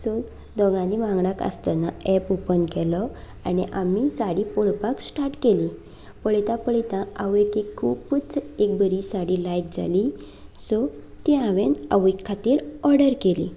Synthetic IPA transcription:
sɔ | d̪ɔɡãlimãŋɡɽakə̰st̪anaɛpupənkɛlɔ | aniʔamisaɽipɔɭpaksʈaɾʈkeli | pəɭit̪ãpəɭit̪ãaʋekekʰːuːpput͡sek̚bəɾisaɽilajk̚d͡zʱa̰li | sɔ | t̪iaʋena̰ʋekʰːat̪iːɾɔɾɽəɾkelḭ

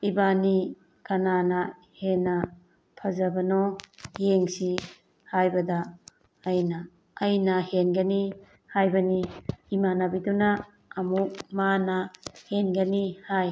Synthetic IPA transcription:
ibani | kɐnanɐ | henɐ | pʰɐzɐbɐnɔjeŋsi | hajbɐdɐː | jnɐː | jnɐhenɡɐni | hajbɐniːmanabidunɐː | muk̚manɐhenɡɐnihaj

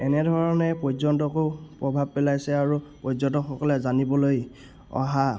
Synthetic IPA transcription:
ɛnɛdʱɔɹɔnɛpɔzɔntɔkopɹɔbʱab̚pɛlajsɛaɹupɔzɔntɔxɔkɔlɛzanibɔloj | ɔ̰ɦa

